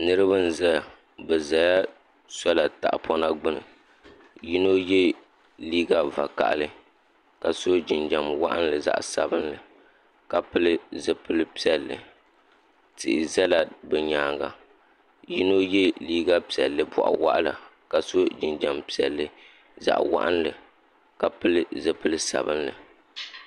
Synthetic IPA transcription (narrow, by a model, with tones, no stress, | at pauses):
nɨ˦ɾɨ˦ba˦n̩˦˨za˦˨ | bɛ˨za˨ja˦ | sɔ˦la˨ta̰˨ʔpʰɔ˦na˦ɡ͡bɨ˦nɨ̰˨ | ji˦no˦jɛ˦ | liː˦ɡa˨va̰˨ka̰˨ʔa˨lɨ˦ | ka˨so˦d͡ʒɪ˨nd͡ʒa˨mwa̰˦ʔa̰˦n˦lɨ˨za̰˦ʔsa̰˦bɨ˦nlɨ˨ | ka˨pɨ˦lɨ˦zɨ˦pɨ˦lɨ˦pi˦ɛ˨lːɨ̰˨ | tɨ˨ʔɪ˨zɛ˦la˨bɨ˨ɲaː˨ŋɡa̰˨ | ji˦no˦jɛ˦liː˦ɡa˦pi˨ɛ˨lːɨ˨bɔ˨ʔa̰˨wa̰˦ʔa˦la̰˨ | ka˨so˦d͡ʒɪ˨nd͡ʒa˨mpi˦ɛ˨lːɨ˦ | za̰˨ʔwa̰˦ʔa˦nlɨ˨ | ka˨pɨ˦lɨ˦zɨ˦pɨ˦lɨ˦sa̰˨bɨ˦nlɨ̰˨